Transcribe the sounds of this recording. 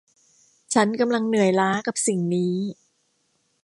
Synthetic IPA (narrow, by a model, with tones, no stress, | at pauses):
t͡ɕʰa˦˥nka˧mla˧ŋnɯ˨˩əjlaː˦˥ka˨˩p̚si˨˩ŋniː˦˥